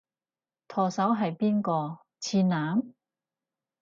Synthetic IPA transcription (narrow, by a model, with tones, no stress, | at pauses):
t̪ʰɔː˨˩sɐ˨˥wɦɐ˨jpiː˥nkɔː˧ | t͡sʰiː˧naː˨˥m